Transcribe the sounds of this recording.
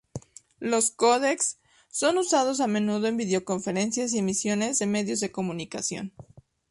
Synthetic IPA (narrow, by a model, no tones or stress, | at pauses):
lo̞sko̞ðeksː | o̞nusað̞o̞s̬amẽ̞nuð̞oembiðeo̞ko̞ɱfe̞ɾe̞nsjas̬ie̞misjo̞ne̞zðe̞me̞ðjo̞zðe̞ko̞mũnikasjo̞̰n